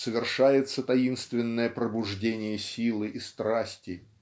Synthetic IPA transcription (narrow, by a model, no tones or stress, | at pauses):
səvʲɪrʂajɪt̪sət̪ɐinst̪vʲɪnːəjəpɾəbʊʐdʲenʲɪjəsʲilˠɨʔist̪ɾasʲtʲɪ